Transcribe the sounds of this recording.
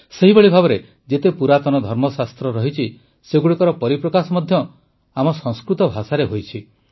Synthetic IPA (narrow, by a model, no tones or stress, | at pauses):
seɦibɔɭibʱabɔɾe | d͡ʒet̪epuɾat̪ɔnɔd̪ʱɔɾmɔsast̪ɾɔɾɔɦit͡ʃʰi | seɡuɽikɔɾɔpɔɾipɾɔkasɔmɔd̪ʱjɔ | amɔsɔ̃ŋskɾut̪ɔbʱasaɾeɦojt͡ʃʰi